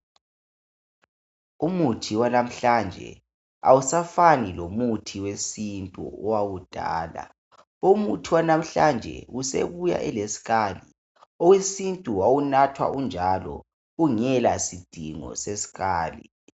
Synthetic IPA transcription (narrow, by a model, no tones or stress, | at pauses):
umutʰiwanam̩ɬand͡ʒʱɛ̰ | a̰wusafanilomutʰiwesintʼṵɔwawud̥ʱa̰ːla̰ | umutʰiwanam̩ɬand͡ʒʱɛ̰usḛβuja̰ʔɛlesi̥ɣaːli | ɔwesintʼuwawunatʰwa̰ʔund͡ʒʱalɔ̰ | uŋɛlasid̥ʱiŋɔ̰sesi̥ɣaːli